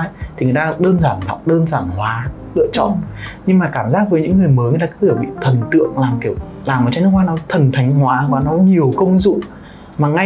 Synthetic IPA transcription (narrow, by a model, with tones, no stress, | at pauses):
t̪ʰi˨˩ŋ˨˩ə˩jt̪aː˧ɗəː˧nzaː˧˩nza̰˧˨wŋ͡m̚ɗəː˧nzaː˧˩nhwaː˨˦ | lɨ̰˧˨ət͡ɕɔ̰˧˨nɲɨ˧ŋmaː˨˩kaː˧˩mzaː˦˥k̚vəː˨˦jɲɨ̰˧˥ŋːɨ˨˩əjməː˨˦jŋ˨˩t̪aː˧k̪ːi˧˩ɓḭ˧˨t̪ʰə˨˩nt̪ɨ̰˧˨əŋlaː˨˩mki˧˩əw | laː˨˩mː˨˩t͡ɕɔ˧nɨ˦˥k̚waː˨˧nɔ˨˦t̪ʰə˨˩nt̪ʰa˨˦jŋ̟ɦwaː˨˦ɦwaː˨˦nɔ˨˦ɲi˨˩əwkə˧wŋ͡mzṵ˧˨ | maː˨˩ŋa˧